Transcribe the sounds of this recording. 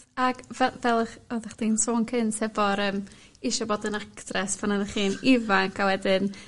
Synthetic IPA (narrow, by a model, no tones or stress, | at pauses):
aɡvɛvɛlˠəχoðaχd̥iːnsoːnkʰɪnsɛvɔɾəːm | iʃɔboːdənaktrɛspʰanaðəχiːnivaŋkʰawɛdɪn